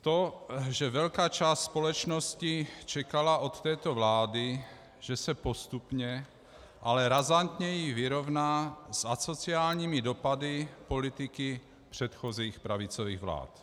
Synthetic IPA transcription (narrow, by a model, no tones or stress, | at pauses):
t̪oʒɛvɛlkaːt͡ʃaːst̪spo̞lɛt͡ʃnoscɪt͡ʃɛkalaʔo̞t̪ːɛːt̪ovlaːdɪ | ʒ̥ɛsɛpo̞st̪upɲɛ | ʔalɛɾazant̪ɲɛjɪvɪɾovnaːsʔasot͡siaːlɲiːmɪdopadɪpo̞lɪt̪ɪkɪ | pr̥ɛt̪xoziːxpɾavɪt͡sovḭːɣvla̰ːt̪